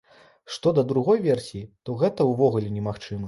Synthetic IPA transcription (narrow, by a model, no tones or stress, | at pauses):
ʂt̪ɔd̪ɐd̪ɾuɣɔjvʲɛrsʲijit̪ɔɣɛt̪ɐwvɔɣulʲɛnʲɛmaxt͡ʂɨmɐ